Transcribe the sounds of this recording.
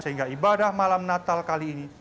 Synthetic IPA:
səɦiŋɡaibadahmalamnat̪alkaliːni

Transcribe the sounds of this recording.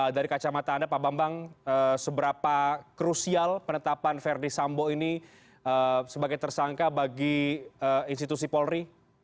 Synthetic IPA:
daɾikat͡ʃamat̪aːndapabambaŋəsəbəɾapakɾusialpənət̪apanfɛrdisamboini | əsəbaɡajt̪ərsaŋkabaɡiəinst̪it̪usipɔlɾi

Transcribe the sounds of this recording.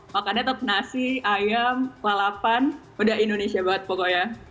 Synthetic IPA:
wakanɛt̪əp̚nasiajamklalapan | udaɦindonesiabaət̪̚pokoja

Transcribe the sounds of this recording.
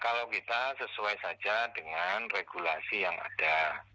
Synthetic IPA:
kalawkit̪asəsuajsad͡ʒadəŋanreɡulasijaŋa̰d̥a

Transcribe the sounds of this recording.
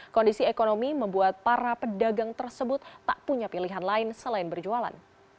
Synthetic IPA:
kɔndisiekonomiməmbuat̪̚paɾapədaɡaŋt̪ərsəbʊt̪ːaʔpuɲapiliɦanlaɪnsəlaɪnbərd͡ʒuala̰n

